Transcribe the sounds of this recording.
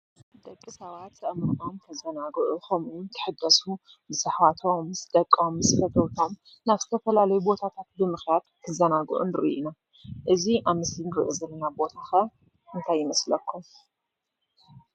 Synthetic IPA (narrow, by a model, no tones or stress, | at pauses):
d̪̥ɐkʼːɨsawat̪ːʰɐʔmɾʔomt̪ʰɐzɐnaɡʕukʰɐmunt̪ʰɨ̥ħɨdɐsu | bɨzɨħwat̪ʰo̞msd̪ɐkʼːomzɨfɐt̪ʰɐwt̪ʰo̞m | naβzɨt̪ʰɐfɐlalɐjubo̞t̪ʰat̪ʰat̪̚bɨmɨxjad̪kʰɨzɐnaɡ̰ʕṵnɨɾɨ̰ʔina | ʔɨziʔaβmɨsɨŋɡɾɨ̰ʔzɐlɐnabo̞t̪ʰaxɐ | ʔɨnt̪ʰajːɪmɐslɐkʰːum